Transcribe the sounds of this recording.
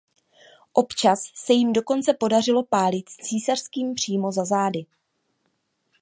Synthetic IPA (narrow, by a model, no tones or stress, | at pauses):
ʔo̞pt͡ʃasːɛjɪmdo̞ko̞nt͡sɛpo̞dar̝ɪlo̞paːlɪt̪t͡siːsar̥skiːmpr̝̥iːmo̞zazaːdɪ